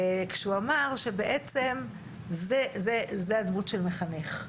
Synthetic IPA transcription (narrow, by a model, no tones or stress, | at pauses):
kʃeuamaʁʃe̞beʔet͡se̞m | zezezead̪mutʃelme̞χaneχ